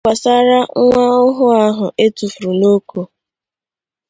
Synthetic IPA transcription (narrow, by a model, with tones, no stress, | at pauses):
a˨sa˦ɾa˦ŋʷa˦ʊ˦ɦʊ˦a˦ɦʊ˨ʔe˦tu˨fu˨ɾu˨no˦ko˨